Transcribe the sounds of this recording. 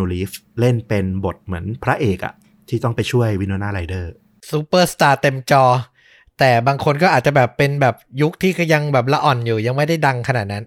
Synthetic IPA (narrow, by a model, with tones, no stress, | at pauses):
o˧li˦˥fle˥˩npe˧nbo˨˩t̪̚mɯ˩˦ənpʰɾa˦˥ʔeː˨˩k̚ʔa̰˨˩ | t̪ʰiː˥˩t̪ɔ˥˩ŋpa˧jt͡ɕʰu˥˩əjwi˧˥noː˧naː˥˩ɾa˧jdɤː˥˩ | su˧˥pɤː˥˩st̪aː˧t̪e˧mt͡ɕɔː˧ | t̪ɛː˨˩baː˧ŋkʰo˧nkɔː˥˩ʔaː˨˩t̪̚t͡ɕa˨˩bɛː˨˩pːe˧nbɛː˨˩p̚ju˦˥k̚t̪ʰiː˥˩kʰa˧ja˧ŋbɛː˨˩p̬̚la˦˧˥ʔɔ˨˩njuː˨˩ja˧ŋma˥˩jda˥˩jda˧ŋkʰa˧naː˨˩t̪̚na˦˥n